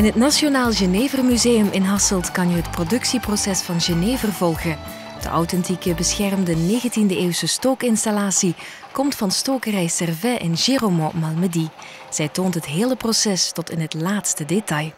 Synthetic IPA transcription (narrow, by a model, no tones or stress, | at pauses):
ɪnɦətnaʃionaːlˠʒəneːvərmyzeːjəmʔɪnɦɑsəlˠtkɑnjəɦətprodɵksiprosɛsfɑnʒəneːvərvɔlˠɣə | d̥ə̰ʔawtɛntikəbəsxɛrmdəneːɣəntindəeːwsəstoːkɪnstalaːsi | kɔmtfɑnstoːkərɛjsɛrvɛʔɪnʒeːromomɑlˠmədi | z̥ɛjtoːntɦətɦeːlˠəprosɛstɔtɪnɦətlaːtstədetɑj